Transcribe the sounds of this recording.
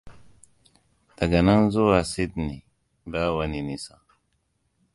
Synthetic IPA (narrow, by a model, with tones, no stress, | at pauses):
d̥a˨ɡa˨na˦n˦zo˦wa˨si˦dni˨ | ba˦wa˨ni˨ni˨sa˨